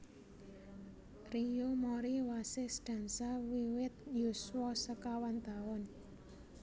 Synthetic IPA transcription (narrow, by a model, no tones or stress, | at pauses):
rijomɔɾiwasesɖ̥a̤nsawiwɪt̪̚juswɔsəkawant̪awʊn